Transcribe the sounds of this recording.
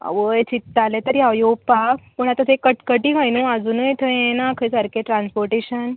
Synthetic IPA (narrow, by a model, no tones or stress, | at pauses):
a̰ʋəjt͡ɕit̪ːalẽt̪əɾiajopakpəɳat̪at̪ekəʈkəʈĩɡajnuad͡zunəjt̪ʰəjẽnakʰəjsəɾkeʈɾãnspoɾʈeɕən